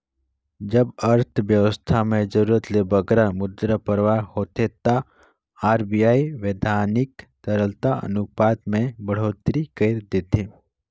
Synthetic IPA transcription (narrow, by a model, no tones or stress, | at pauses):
d͡ʒɐbɐɾt̪ʰʋjəʋəst̪ʰamẽd͡ʒəɾuːɾət̪lebəɡɾamʊd̪ɾəpəɾʋahoːt̪et̪a | aːɾbijaːiʋeːd̪ʱaːnɪkt̪əɾəlt̪aʔə̰nʊpaːt̪mẽbəɽ̤oːt̪ɾikəɪɾd̪eːt̪eː